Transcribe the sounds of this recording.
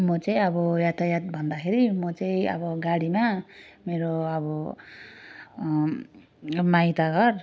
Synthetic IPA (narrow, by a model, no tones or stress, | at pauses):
mɔt͡sʌj̃ʌbɔjat̪ʰajat̪̚bʱʌnd̪akʰeɾimʌt͡sʌj̃ʌ̰bʌɡaɽima | meɾoabɔ | majt̪aɡʌr